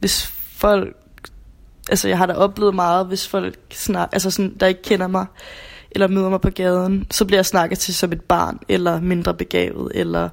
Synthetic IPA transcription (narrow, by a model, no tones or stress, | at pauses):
ʋe̝s | fɒ̽l̰ɡ̥ | ʔælsəjɑɪhɑ̈ɾ̥ɑʔɒ̽b̥le̝ːð̩ˠmɑ̈ːð̩ˠʋe̝sfɒ̽l̰ɡ̥snɑ̈ʔæls̬əsɒ̽nd̥ɑ̈e̝ɡ̥əkʰen̰ɐmɑ̈ɪʔelɐmyð̰ˠɐmɑ̈ɪpʰɒ̽ɡ̥ɛːð̞ˠn̩sɒ̽b̥liɐjɑ̈ɪsnɑ̈ɡ̥əð̩ˠt͡sʰe̝sɒ̽me̝d̥̚b̥ɑ̰̈ːnelɐme̝nd̥ʁɐb̥e̝ɡ̥ɛ̰ːʋð̞̩ˠelɐ